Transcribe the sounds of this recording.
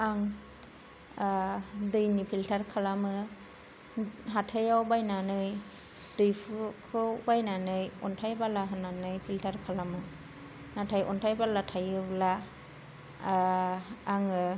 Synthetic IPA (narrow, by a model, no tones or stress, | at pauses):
aŋ | dɯjnipʰiltʰaɾkʰalamɯ | ɦatʰajawbajnanɯj | dɯjpʰɯkʰɯwbajnanɯjɔntʰajbalaɦɯnanɯjpʰiltʰaɾkʰalamɯ | natʰajʔɔntʰajbalatʰajɯbla | ŋɯ